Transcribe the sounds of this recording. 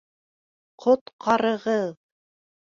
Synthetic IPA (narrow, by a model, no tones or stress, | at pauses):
qʰot̪qʰɑɾɤ̆ʁɤð